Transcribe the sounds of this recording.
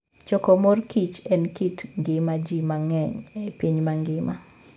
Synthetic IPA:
t͡ʃɔkɔmorkit͡ʃɛnkitŋɡɪmad͡ʒimaŋɛɲɛpiɲmaŋɡɪma

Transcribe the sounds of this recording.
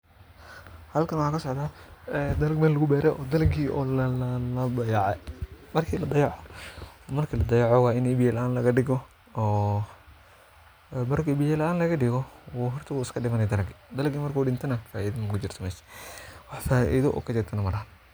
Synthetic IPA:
hɐlkʰɐnwɑħaːkʰɐsɔʕd̪aːɛd̪ɐlɐɡmɛːlɐɣʊbɛːɾɛʔɔːd̪ɐlɐɡiʔɔːllɐbɐjɑʕɛmɐrkʰiːlɐd̪ɐjɑʕɔmɐrkʰiːlɐd̪ɐjɑʕɔwɑːɪnɛbɪjɛlɐʔaːnlɐɣɐɖɪɣɔ | ɔː | mɐrkibijɛlɐaːnlɐɣɐɖɪɣɔwuɦɔrt̪ʰɪɣuːɪskʰɐɖɪmɐnɛd̪ɐlɐɡd̪ɐlɐɡiːmɐrkʰuːɖɪnt̪ʰɐnɐfaːiːðmkʰʊt͡ʃɪrt̪ʰɐmɛːʃɛ̥wɑħfaːʔḭðɔʔɔ̰ːkʰɐt͡ʃɪrt̪ʰɐnɐmɐlɐhɐn

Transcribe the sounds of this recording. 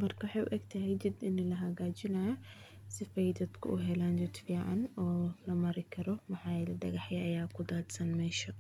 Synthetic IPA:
mɐrkʰɐwɑħɑjʔʊ̰ʔɛɡt̪ʰɐɦɛjt͡ʃɪd̪ɪnɛlɐɦɐɣaːt͡ʃɪnɐːjɔ | sɪfɛjd̪ɐd̪̥kʰʊ̰ʔʊɦɛlaːnd͡ʒɪd̪fiːʕɑ̰nɔːlɐmɐɾɪkʰɐɾɔwɑħɑːjɛlɐɖɐɣɑħjɐʔɐjaːkʰʊd̪aːd̪sɐnmɛːʃɐ

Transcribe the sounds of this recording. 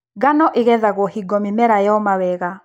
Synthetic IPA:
ɡanɔʔeɣɛðaɣwɔhiɡɔmimɛɾajɔmawɛɣa

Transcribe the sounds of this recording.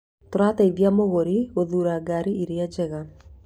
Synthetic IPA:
toɾataiðjamoɣoɾioðuːɾaɡaɾiiɾead͡ʒɛɣa

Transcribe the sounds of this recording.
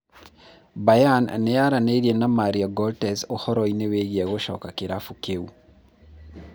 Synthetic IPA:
bajan̰nejaɾaneiɾienamaɾiaɡɔltɛsohɔɾɔineweɣiɛɣoʃɔkakeɾafukeu

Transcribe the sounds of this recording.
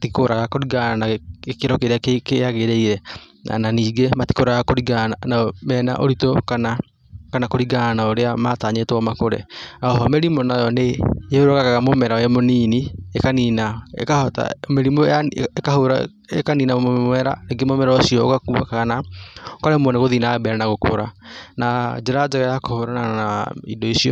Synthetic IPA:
atikoɾaɣakoɾiɡaanakeɾɔkeɾakekejaɣeɾeiɾɛa̰naniːɡemati̥koɾajakoɾiɡananamɛːna̰ʔoɾitokana | kanakoɾiɡanaoɾeamataːɲetwɔmakoɾḛnaɔɦɔmɛɾimonajɔnejeoɾokaɣaɣamomɛɾaɛmoniːniekaninaḛkahɔta̰meɾimoaekahoɾa | ekaniːnamɛɾa̰neɡemomɛɾaosiɔo̰kakuβakaɣanaokaɾɛmwɔnaɣoðinabɛɾanaɣoko̰ɾanad͡ʒeɾad͡ʒaɣajakohoɾananaaḭdɔisiɔ̰

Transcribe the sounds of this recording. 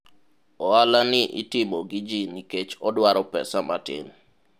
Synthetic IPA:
ɔalaniʔḭtimoɡid͡ʒiniket͡ʃɔdwaɾɔpɛ̰samatɪ̰n

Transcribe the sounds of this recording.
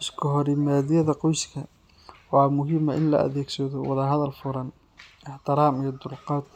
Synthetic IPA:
ʔɪskʰɔɦɔɾɪmaːðɪjɐðɐqɔjskʰɐ | wɑːmʊɦɪːmɐʔɪnlɐ̰ʔɐ̰ðɛːɡsɐðɔwɑðɐɦɐðɐlfʊɾɐn | ɪħt̪ʰɪɾɑːmijɐd̪ʊlqɑːd̪

